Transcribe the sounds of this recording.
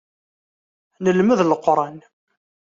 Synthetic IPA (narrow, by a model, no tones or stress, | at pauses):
nəlməðlqːɾˤɑn